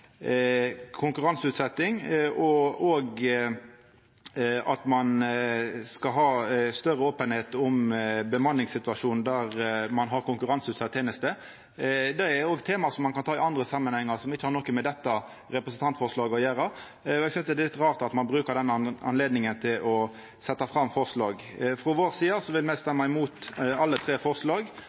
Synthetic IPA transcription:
kʰʊŋkʉɾɑnsʉːt̪sɛt̪ːɪŋʔɔoːɡ | ɑt̪mɑn | skɑɦɑːst̪œʁəoːpənheːt̪ʊmbəmɑnːɪŋsɪt̪ʉɑʂuːnnd̪æɾmɑnɦɑɾkʊŋkʉʁɑnsʉːt̪sɛt̪ʰːeːnəst̪ə | d̪ɛæɾoːɡt̪ʰeːmɑsɔmːɑnkʰɑnt̪ʰɑːɪɑnd̪ʁəsɑmːənhɛŋːɑʁsɔmɪçːəhɑɾnɔkəmɛd̪ɛt̪ːɑ | ɾɛpɾəsənt̪ʰɑnt̪fɔʁʂlɑːɡɔjæːɾɑ | ɔɛɡsʏnsd̪ɛdɛlɪt̪ʁɑːʁt̪ɑt̪mɑnbɾʉːkəɾd̪ɛnːɑ̰nleːd̪nɪŋənt̪ʰɪlʔɔ | sɛt̪ːɑfʁɑmfɔʁslɑːɡfɾɔʋoːɾsiːəsɔʋɪlmæɪst̪ɛmːɑɪmuːt̪ɑlːət̪ʰɾeːfɔʁslɑːɡ

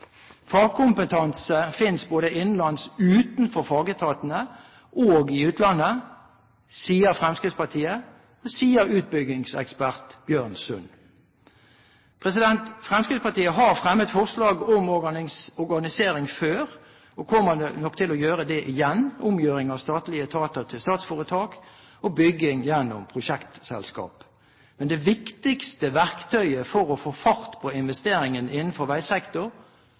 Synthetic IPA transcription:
fɑːkʰʊmpət̪ʰɑnsəfɪnsboːd̪əʔɪnːn̩lɑnsʉːt̪nfɔʁfɑːɡət̪ʰɑːt̪ənə | ʔoːɡɪʉːt̪ʰlɑnːə | siːəʁfʁɛmskʁɪspɑt̪ʰiːə | ɔsiːəɾʉːt̪̚bʏɡɪŋsɛ̰kspæʁt̪b̥jøːʁnsʉn | pʰʁɛs̬ɪd̪ɛnt̪fʁɛmskɪspɑʁt̪iːəɦɑʁfʁɛmːət̪fɔʁslɑːɡɔmɔʁɡɑnɪsɔʁɡɑnɪseːɾɪŋføːɾ | ɔkʰɔmːəənɔkːt̪ʰɪlɔjøːʁəd̪ɛʔɪjɛnːʊmjøːɾɪŋɑʋst̪ɑːt̪lɪət̪ʰɑːt̪ət̪ʰɪlst̪ɑːt̪sfoːʁət̪ʰɑːk | ɔbʏɡɪŋjɛnːʊmpʰʁʊʃɛkt̪sɛ̰lskɑ̰ːp | mɛnd̪ɛʋɪkt̪ɪkst̪əʋæʁkt̪ʰœʏəfɔʁɔfoːfɑʁt̪pʰɔɪnʋɛst̪eːɾɪŋənɪnːənfɔɾʋæɪsɛkt̪ʊʁ

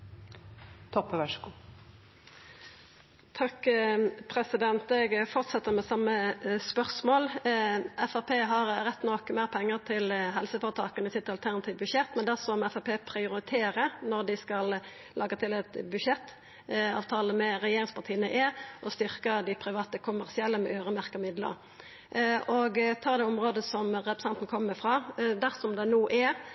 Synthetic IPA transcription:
t̪ʰɔpːəʋɛʂkuː | t̪ʰɑkpʰɾɛsɪd̪ɛnt̪ɛɡfɔʁt̪sɛt̪ːəɾmɛsɑmːəspœʁsmoːl | ɛfɑpʰeːɦɑɾɾɛt̪ːnɔkmæːʁpʰɛŋːəʁt̪ʰɪlɦɛlsəfɔʁət̪ʰɑːkənəɪsɪt̪ːɑlt̪ʰæʁnɑt̪ʰiːʋbʉʃɛt̪mɛnd̪æsɔmɛfɑpeːpʰɾɪʊɾɪt̪ʰeːɾənɔɾd̪ɪskɑl | lʔɑːɡət̪ʰɪlɛt̪bʉʃɛt̪ː | ɑ̰ːʋt̪ʰɑːləmɛɾɛjeːɾɪŋspʰɑʁt̪ʰiːənəʔɛʔɔst̪ʏʁkəd̪ɪpʰɾɪʋɑːt̪əkʰʊmæʁsɪɛlːəmɛʔøːɾəmæʁkəmɪd̪lə̰ɾ | ɔɡt̪ʰɑːd̪ɛːʊmʁoːd̪əsɔmɾɛpɾə̥sɛnt̪n̩kʰɔmːəfʁɑːd̪æʁsɔmd̪ɛnuːʔæɾ

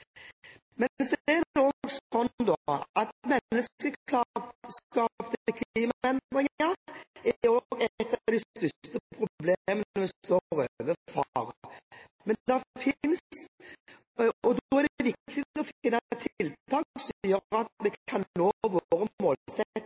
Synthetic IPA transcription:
mɛsɔɛd̪ɛɔɡsɔnd̪ɔʔɑt̪mɛnːəskəlɑskɑːpt̪əkʰliːmɛnd̪ʁɪŋəɛoːɡɛt̪ːɑʋd̪ɛst̪ʏst̪əəpʰɾʊblemənəmɛst̪oːɾøʋəfɑ̰ʁə | mɛnd̪ɛfɪns | ɔd̪ɔɛʁd̪ʋɪkt̪ɪɔfɪnɑt̪ʰlt̪ʰɑːksjøɾɑt̪mɛɑnnoːʋoːɾəmoːlsɛt̪ː

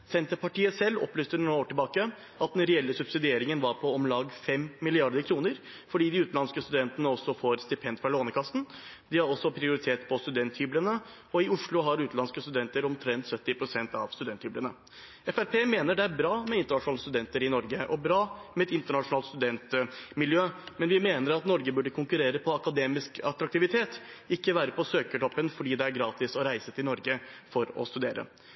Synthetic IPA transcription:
sɛnt̪əɾpʰɑʈiːəsɛlːɔ̰plyːst̪ənːoːʈɪlbɑːkə | ʔɑt̪̚d̪ɛnɾɛɛlːəsʉbsɪd̪ɪeːɾɪŋənʋɑɾpʰɔɔmlɑːɡfɛmːɪlɪɑɾd̪əɾkʰɾuːnəɾ | fɔɖiːd̪ɪʉːt̪n̩ɑnskəst̪ʉd̪ɛnt̪ənəɔsːɔfoːɾst̪ɪpʰɛnd̪fɾɑloːnəkʰɑst̪nd̪ɪhɑɾɔsːɔpʰɾɪʊɾɪt̪ʰeːt̪pʰɔst̪ʉd̪ɛnt̪hʏblənə | ɔɪʊʂɭʊɦɑɾʉːt̪ɑnskəst̪ʉd̪ɛnt̪əɾɔmt̪ʰɾɛnt̪sœt̪ːɪpʰɾʊsɛnt̪ɑʋst̪ʉd̪ɛnt̪hyːblənə | ɛfæɾpʰeːmeːnəɖɛæɾbɾɑːmɛɪnt̪əɳɑʂʊnɑləst̪ʉd̪ɛnt̪əɾɪnɔɾɡəʔɔbɾɑːmɛɛt̪ɪnt̪əɳɑʂʊnɑːlt̪st̪ʉd̪ɛnt̪mɪljøːmɛnʋɪmeːnəɾɑt̪nɔɾɡəbʉɖːəkʰʊŋkʉɾeːɾəpʰɔɑkɑd̪eːmɪskɑt̪ɾɑk̚t̪ɪʋɪt̪ʰeːt̪ɪkːəʋæːɾəpɔsøːkəʈ̪ɔpːənfɔɖiːd̪ɛæɾɡɾɑːt̪ɪsɔɾæɪsət̪ʰɪlnɔɾɡəfɔɾɔ̰st̪ʉd̪eːɾə̰

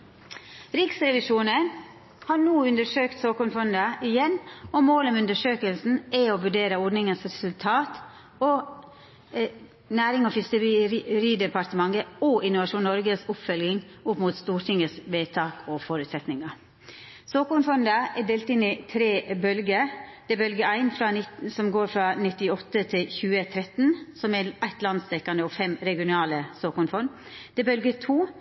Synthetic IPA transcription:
ɾɪksɾɛʋɪʂuːnən | hɑːnuːʉnd̪əʂøːkt̪soːkʊnfɔnd̪əʔɪjɛnːɔmoːlɔmʉnd̪əʂøːkəlsn̩ɛoːʋʉɖeːɾəɔɖnɪŋənsɾɛsʉlt̪ʰɑːt̪ | ɔ | næːɾɪŋɔfɪskəɾiːd̪ɛpɑɾt̪əmɑŋəoʔɪnʊʋɑʃuːnːɔɾɡəsʊpfœlɡɪŋʊpmuːt̪st̪uːɾʈʰɪŋəsʋeːt̪ʰɑːkʰɔfɔɾʉt̪sɛt̪nɪŋɑ | soːkʊnfɔnd̪əɛɖ̪eːlt̪ɪnɪt̪ʰɾeːbœlɡəd̪̥ɛbœlɡəæɪnfɾɑntsɔmɡoːɾfɾɑnɪt̪ːɪɔt̪ːət̪ʰɪlçʉːət̪ʰɾɛt̪nsɔmɛæɪt̪lɑnsd̪ɛkːɑnd̪əɔfɛmɾɛɡɪʊnɑːləsoːkʊnfɔɾm | d̪̥ɛbœlɡət̪ʰuː

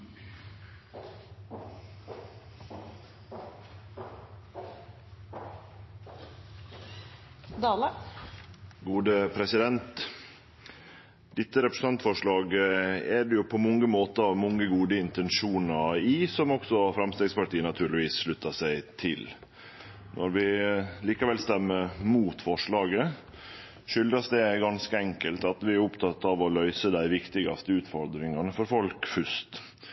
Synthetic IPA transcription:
d̪ɑːlə | ɡuːd̪əpʰɾɛsɪd̪ɛnt̪ | d̪̥ɪt̪ːəɾɛpɾəs̩ɑnt̪fɔʂɭɑːɡɛɖɛjʊpʰoːmɔŋəmoːt̪əɑmɔŋːəɡuːd̪əɪnt̪ɛnʂuːnɑɪsɔmɔksɔfɾɑmst̪eːɡspɑʈiːənɑt̪ʰʉːɭɪʋiːsʂɭʉt̪ːɑʂæɪt̪ʰɪl | nʔɔɾʋɪliːkɑʋɛlst̪ɛmːəɾmuːt̪fɔʂɭɑːɡə | ʂʏld̪ɾɑsd̪ɛɡɑnskəɛŋkəlt̪ɑt̪ʋɪæɾʊpt̪ʰɑt̪ːɑʋɔlœʏsəd̪æɪʋɪkt̪ɪɡɑ̰st̪əʉːt̪fɔɾd̪ɾɪŋɑnəfɔɾfɔlkfʉʂt̪

